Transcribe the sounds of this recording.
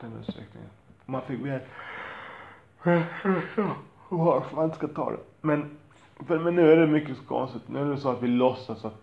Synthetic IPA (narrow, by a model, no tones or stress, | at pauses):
d̪̥ɛnʉ̰ːt̪st̪ɾɛ̰knɪ̰ŋə̰nɔmanfɪkːveː | hafmanɪt̪skat̪ʰɑ̰ːd̪ɛ̰ | mɛn | fəɾmɛnːʉ̟ːæɖɛmʏkːəskʰɔ̰nsɪt̪nʉ̟ːæɖɛsɔat̪vɪlɔsːasat̪